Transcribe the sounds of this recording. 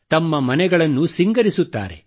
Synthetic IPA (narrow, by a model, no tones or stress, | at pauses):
t̪ɐmːɐmɐnɛɡɐɭɐnːusiŋɡɐɾisut̪ːa̰ːɾḛ